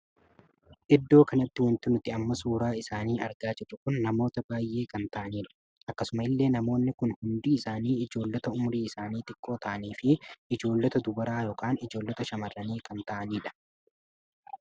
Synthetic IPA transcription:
ʔɪd̪ːo̞ːkɐnɐt̪ːɪwɐnt̪ːɪnʊt̪ɪɐmːɐsuːɾaːɪsaːniːʔɐɾɡaːd͡ʒɛt͡ʃːʊkʊnːɐmo̞ːt̪ɐbaːjːe̞ːkɐnt̪ɐʔɐniːᶑɐ̥ | ʔɐkːɐsʊmɐɪlːe̞ːnɐmo̞ːnːɪkʊnhʊnd̪iːɪsaːniːɪd͡ʒo̞ːlːɐt̪ɐʊmʊɾiːɪsaːniːt̪ɪkʼːo̞ːt̪ɐʔɐniːfɪɪd͡ʒo̞ːlːɐt̪ɐd̪ʊbɐɾaːjoːkaːnɪd͡ʒo̞ːlːɐt̪ɐʃɐmɐrːɐniːkɐnt̪ɐʔɐniːᶑɐ̥

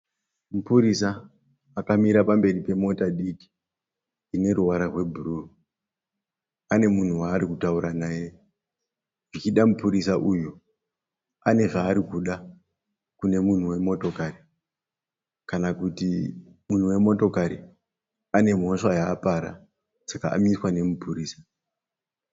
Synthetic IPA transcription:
mupuɾisaː | kamiɾapambe̞ripe̞mo̞taɗiki̥ː | ne̞ɾuwaɾarwe̞bʱururu | ane̞mun̤uwaːɾikutauɾanaːje̞ | ʐit͡ʃiɗamupuɾisaʔujo | ane̞ʐaːɾikuɗa | kune̞mun̤uwe̞mo̞to̞kari | kanakuti | mun̤uwe̞mo̞to̞kaɾi | ane̞m̤o̞ʂajaːpaɾa̰ | saka̰ʔa̰miswane̞mupuɾiːsḁ

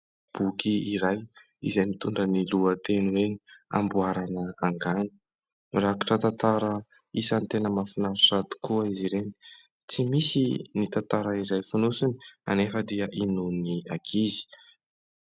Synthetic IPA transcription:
b̥ukiiɾaj | ḭzajnit̪uɳɖ͡ʐəniluət̪eniwea̰mbuaɾanəaŋɡani̥ | rakḁʈ͡ʂət̪ant̪aɾə | isant̪enəmafinaɾusat̪u̥kuaiziɾeni̥ | t͡simisinit̪ant̪aɾaizajfunusinia̰nefəd̪iəʔinuniakʰizi̥

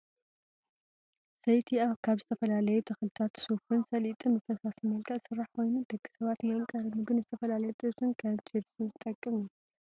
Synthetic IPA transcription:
sɐjt̪ʰiaβkʰaβzɨt̪ʰɐfɐlalɐjut̪ʰɐxɨlɨt̪ʰat̪sofɨnsɐlit̪ʼɨmɐfɐsasimɐlkʰɐʔsɨrːaħkʰo̞jnud̪ɐkːi̥sɐβat̪nakʼɐɾɐmɨɡɨnzɨt̪ʰɐfɐlalɐjɛt̪ʼɨβsɨnkʰat͡ʃʰiβsɨnzɨt̪ʼɐkʼːɨmu

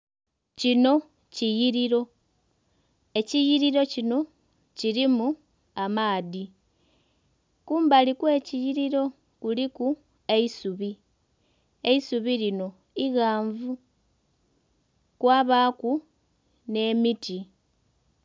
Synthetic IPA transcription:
cino̞ | cijiɾiɾo̞ | e̞cijiɾiɾo̞cino̞ | ciɾimu | amaːði | kuːmbalikwe̞ːcijiɾiɾo̞ | kuliku | e̞isuβi | e̞isuβilino̞ | iɣaːɱvu | kwaːβaːku | ne̞ːmiti

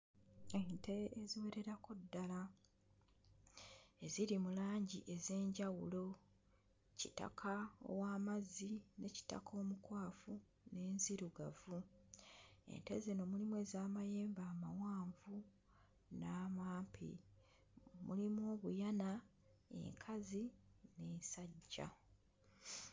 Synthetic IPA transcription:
enteeziwe̞ɾe̞ɾakodːala | e̞ziɾimulaːɲɟiʔe̞ze̞ːɲɟawulo̞ | cita̰kʰao̰waːmazine̞ci̥ta̰kʰo̞ːmukwaːfu | ne̞ːnziɾuɡavu | e̞̰nte̞zeno̞ːmulimwe̞ːzaːmaje̞ːmbaːmawaːɱvu | naːmaːmpʰḭ | mṵlimo̞ːβujana | ḛŋkʰazine̞ːnsaɟːa̰

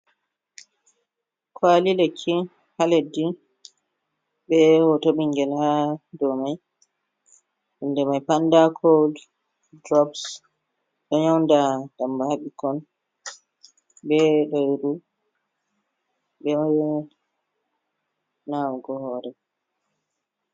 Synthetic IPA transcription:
kʰwalilekʰːi | haledːi | ɓɛhɔtoɓiŋɡɛlhadɔmaj | ʔundɛmajpandakʰowd | dɾɔbs | ɗɔɲawndad̥ambahaɓikɔn | bɛɗɔjɾu | bɛj | nawɡɔhɔːɾɛ

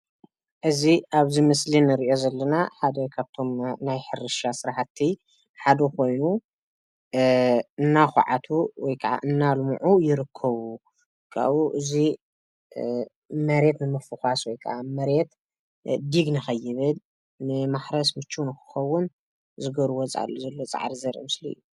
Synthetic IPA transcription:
ʔɨziʔaβzimɨslinɨɾiʔjo̞zɐlːɐnaħad̪ɐkʰaβt̪ʰo̞mnajħɨɾɨʃasɨɾaħat̪ʰːi | ħad̪ɐkʰo̞jnu | ɨnːaxʊ̰ʕat̪ʰuwɔjkʰɐʕa̰ʔɨnːalmʕujɪɾɨkʰːɐβu | kʰa̰wuʔɨzi | mɐɾe̞t̪nɨmɨfɨxaswɔjkʰa̰ʔamɐɾe̞t̪ | d̪iɡnɨxɐjːɪβɨl | nɨmaħɾɐsmɨt͡ʃːunɨxɨ̥xɐwːʊn | zɨɡɐɾuwot͡sʼʕa̰lːozɐlːo̞t͡sʼa̰ʕɾizɐɾʔmɨsliɨ̰jːu

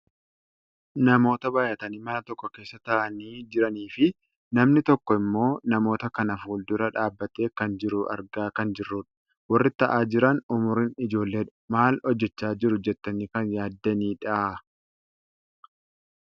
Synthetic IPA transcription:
nɐmo̞ːt̪ɐbaːjɐt̪ɐnimɐnɐt̪ɔkːɔke̞ːsːɐt̪ɐʔɐniːd͡ʒɪɾɐniːfɪ | nɐmnɪt̪ɔkːɔɪmːo̞ːnɐmo̞ːt̪ɐkɐnɐfuːld̪ʊɾɐᶑaːbːɐt̪e̞ːkɐnd͡ʒɪɾʊʔɐ̰ɾɡaːkɐnd͡ʒɪrːʊᶑɐ̥ | wɐrːɪt̪ːɐʔaːd͡ʒɪɾɐnʊmʊɾɪnɪd͡ʒo̞ːlːeːᶑʊ̥maːlɔd͡ʒːɛt͡ʃːaːd͡ʒɪɾʊd͡ʒɛt̪ːɐniːkɐnjaːd̪ːɐniːᶑɐʔ

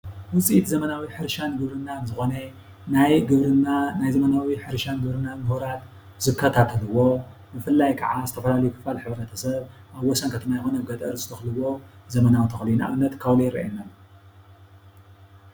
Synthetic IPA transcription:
wʊt͡sʼiʔit̪zɐmɐnawiħɨɾʃanɡɨβɾɨnːanzɨxo̞ne | najɡɨβɾɨnanajzɐmɐnawiħɨɾʃanɡɨβɾɨnːanmɨhuɾat̪ | z̥ɨkʰːɐt̪ʰat̪ʰɐlɨwo̞ | bɨfɨlːajkʰɐʕazɨt̪ʰɐfɐlalɐjukʰɨ̥falħɨβɾɨɾnɐt̪ʰɐsɐβ | ʔaβːɔsɐnkʰɐt̪ʰɨmajxonɐɡɐt̪ʼɐɾzɨ̥t̪ʰɐxlɨwo̞zɐmɐnawt̪ʰɐxlinaʔβɨnːɐt̪kʰawlojɾɐ̰jenːa

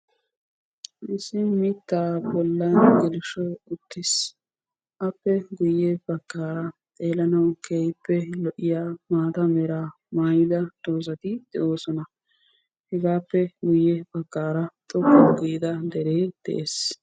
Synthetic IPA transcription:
ʔɪsɪmɪt̪ːaːbɔlːɐnɡɛlɪʃɔʊt̪ːɪs | ʔɐpːɛɡʊjːɛpɐkːaːɾɐt̪ʼe̞ːlɐnɐwkʰejpːɛlɔʔɪjaːmaːt̪ɐmɛɾaː | maːjɪd̪ɐt̪ʼo̞ːs̬ɐt̪ɪd̪̥ɛʔo̞ːsɔnɐ | hɛɡaːpːɛɡʊjːɛpɐkːaːɾɐt̪ʼɔkːɔɡiːd̪ɐd̪ɛɾeːd̪̥ɛ̰ʔeːs

